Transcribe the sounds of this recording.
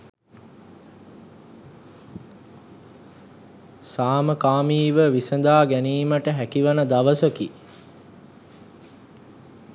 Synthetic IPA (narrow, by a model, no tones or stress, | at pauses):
saːməkaːmiːʋəʋisənd̪aːɡæniːməʈəɦækiʋanəd̪aʋəsəki